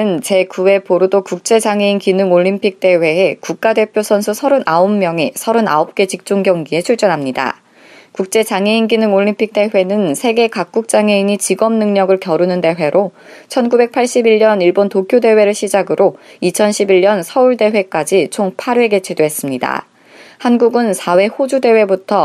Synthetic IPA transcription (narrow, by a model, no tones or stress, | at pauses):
ɯnt͡ɕe̞kuwe̞poɾudokuk̚t͡ɕ͈e̞d͡ʑaŋe̞inkinɯŋoʎːimpʰik̚t͈e̞we̞ːkuk̚k͈ade̞pʰjosʰʌnsʰusʰʌɾɯnʔaomːjʌŋisʰʌɾɯna̰ʌp̚k͈e̞t͡ɕik̚t͡ɕ͈uŋɡjʌŋɡie̞t͡ɕʰuɭt͡ɕ͈ʌnɦamɲida̰ | kuk̚t͡ɕ͈e̞t͡ɕaŋe̞inɡinɯŋoʎːimpʰik̚t͈e̞ɸe̞nɯnsʰe̞ɡe̞kak̚k͈uk̚t͡ɕ͈aŋe̞iɲit͡ɕiɡʌmnɯŋɲʌɡɯɭkjʌɾunɯnde̞ɸwe̞ɾʔot͡ɕʰʌnɡube̞k̚pʰaɭɕ͈ibiʎɲʌniɭbontokʰjode̞we̞ɾɯɭɕʰid͡ʑaɡɯɾʔoit͡ɕʰʌnɕʰibiɭɲʌnsʰʌuɭde̞ɸwe̞k͈ad͡ʑit͡ɕʰoŋpʰaɾwe̞ɡe̞t͡ɕʰedoɦe̞s͈ɯmɲida̰ | hanɡuɡɯnsʰawe̞hod͡ʑude̞we̞butʰʌ